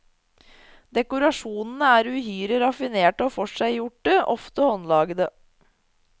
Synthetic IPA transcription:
d̪ɛkʊɾɑʂuːnn̩əæːɾʉhyːɾəɾɑfɪneːʈɔːfɔʂæɪjʊʈːəʔɔft̪əhɔnlɑːɡəd̪ə

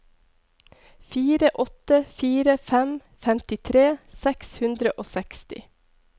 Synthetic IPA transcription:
fiːɾəʔɔt̪əfiːɾəfɛm | fɛmt̪ɪt̪ʰɾeːsɛkshʉnd̪ɾəʔoːsɛkst̪ɪ̰

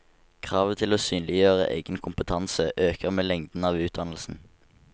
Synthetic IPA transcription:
kʰʁɑːʋət̪ʰɪloːsyːnlɪjøːʁə̰ʔḛɪɡənkʰʊmpət̪ʰɑnsəʔøːkəʁmeːlɛŋd̪n̩ɑːʋʉːt̪̚d̪ɑnl̩sn̩

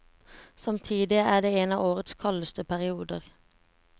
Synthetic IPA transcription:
sɑmt̪ʰiːd̪ɪæːd̪eːeːnɑːʋoːʁət̪skʰɑləst̪əpʰæʁɪuːd̪əʁ

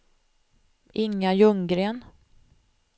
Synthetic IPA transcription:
ɪŋːajɵŋɡɾeːn

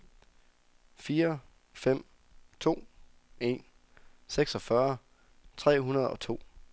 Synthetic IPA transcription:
fiːɐ | fem̰ | t͡sʰo̝̰ː | e̝̰n | seɡ̥sɒ̽fɶɐ | t͡sʰʁɛ̰ːɦunɐð̞ˠɒ̽t͡sʰo̝̰ː

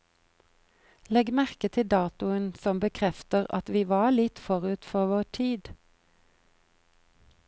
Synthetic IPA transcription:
lɛɡmæʁkət̪ʰɪd̪ɑːt̪ʊənsɔmbəkʰʁɛft̪əʁɑ̰t̪ʋiːʋɑːlɪt̪fɔʁʉːt̪fɔʁʋoːʈʰiːd̪

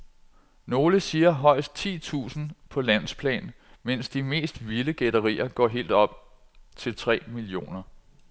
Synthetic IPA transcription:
no̝ːləsiːɐɦɒ̽ɪ̰sd̥̚t͡sʰḭːt͡sʰṵːsn̩pʰɒ̽læn̰spʰlɛ̰ːnmen̰sd̥ime̝̰ːsd̥ʋiləɡ̥eɾɐʁḭːɐɡ̥ɒ̰ːɦe̝̰ːld̥ɒ̽b̥̚ | t͡sʰe̝lt͡sʰʁɛ̰ːmilio̝̰ːnɐ

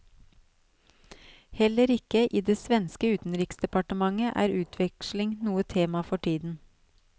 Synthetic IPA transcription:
hɛləɾɪkəʔiːd̪eːsʋɛnskəʉːt̪n̩ɾɪksd̪ɛpɑʈəmɑŋəʔæ̰ːɾʉːt̪ʰʋɛkʃlɪŋnuːət̪ʰeːmɑfɔʈʰiːd̪n̩

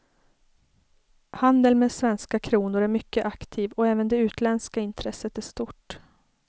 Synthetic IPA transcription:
hand̪əlmeːd̪svɛnskakʰɾuːnʊɾæɾmʏkːəʔakt̪ʰiːvɔɛːvənd̪ɛʉ̟ːt̪lɛnskaɪnt̪ʰɾɛsːət̪æʂt̪ʊʈ

